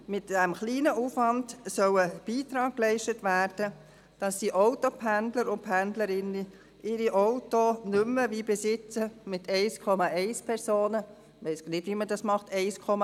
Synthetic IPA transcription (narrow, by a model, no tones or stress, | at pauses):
mɪtæmχliːnəʔuːfʋɑndsœwəb̥iːtɾɑːk̚klɛɪʃtətvæːɾd̥ə | d̥ɑsdiʔɔʊtopʰændləɾʊnt̚pʰændləɾɪnə | ʔɪɾiʔoʊtonʏmːəvibesɪt͡səmɪtʰɛɪskʰɔmɑʔɛɪspʰɛɾsoːnə | ʋɛɪsɡnɪdʋimədɑsmɑχtʰɛɪskʰɔmɑ